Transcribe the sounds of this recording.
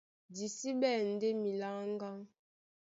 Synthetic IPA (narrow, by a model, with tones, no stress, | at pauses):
di˨si˦ɓɛ˦˨n̩˨de˦mi˨la˦ŋŋ˦ɡa˦ŋ